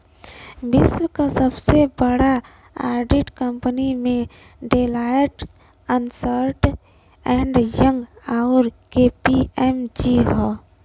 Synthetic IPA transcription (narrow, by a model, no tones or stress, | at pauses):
bɪswəkasəbsebəɽa | a̰ːɾɖiʈkəmpənimẽ | ɖelajʈ | ənsəɾʈ | ɛ̃ɳɖjə̃ŋɡaʊɾkepiɛmd͡ʒiɦɔ